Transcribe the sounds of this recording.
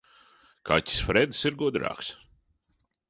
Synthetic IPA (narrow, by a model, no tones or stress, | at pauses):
kʰa̰tʲi̥sfɾɛd̪siɾɡud̪ɾɑ̰ːks